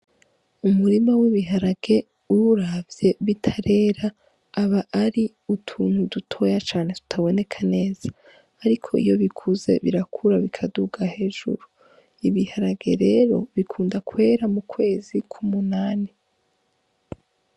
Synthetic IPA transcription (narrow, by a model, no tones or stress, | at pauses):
umuɾimawiβiɦaɾaɡ̥e̞ | uɾavje̞βitʰaɾe̞ːɾaː | βaʔːɾi | utʰuːn̥hudutʰo̞jat͡ʃaːne̞tu̥tʰaβo̞ne̞kʰane̞ːz̥ḁː | ɾikʰo̞ḭjo̞βikʰuze̞̰βḭɾakʰuɾaβikʰaduɡahe̞ːʒṵɾu | iβihaɾaɡ̥e̞̰ɾe̞ɾo̞̰βikʰuːndakwe̞ːɾamukwe̞ːzikʰumunaːni